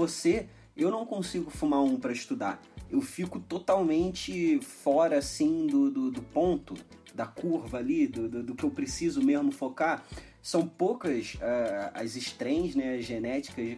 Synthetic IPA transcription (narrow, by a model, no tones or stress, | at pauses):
vose | ewnɐ̃w̃kõsiɡʊfumaũpɾɐɪʃt̪ud̪aɾewfikʊt̪ot̪awmẽnt͡ʃɪfɔɾɐasĩd̪ʊd̪ʊd̪ʊpõnt̪ʊ | d̪ɐkuɾvɐːlid̪ʊd̪ʊd̪ʊkɪewpɾesizʊmeʒmʊfoka | sɐ̃w̃powkɐsaɐzɪʃt̪ɾẽj̃znɛɐzʒenɛt͡ʃi̥kɐzd͡ʒ